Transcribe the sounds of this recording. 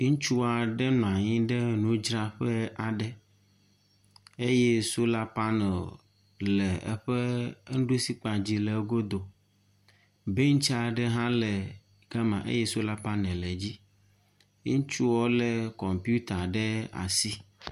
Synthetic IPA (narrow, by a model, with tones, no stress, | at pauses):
t͡ʃu˦a˨ɖɛ˦nũ˨a˨ɲĩ˦ɖɛ˦nũ˦d͡ʒɾa˦ɸɛ˦a˨ɖɛ˦ | e˦jɛ˦so˦la˦pa˦nɛ˨l | lɛ˨ɛ̰˦ɸɛ˦ɖu˦si˦k͡pa˨d͡ʑi˦lɛ˨˦ɡo˦d̪o˨ | be˦ŋ̩̃˦t͡ʃa˨ɖɛ˦ɦã˦lɛ˨ | ɡ̥a˦mã̰˨ʔḛ˦jɛ˦su˦la˦pa˦nɛ̃˨lɛ˨d͡ʑi˦ | ĩ˦t͡ʃu˦wɔ˦lɛ˨kɔ˨mpi˦u˦t̪a˨ɖɛ˦a̰˨si˦